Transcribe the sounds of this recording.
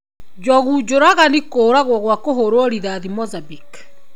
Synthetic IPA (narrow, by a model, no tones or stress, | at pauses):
d͡ʒɔɣud͡ʒoɾaɣanikoːɾaɣwɔɣwakoɦoɾoɾiðaðimɔzabik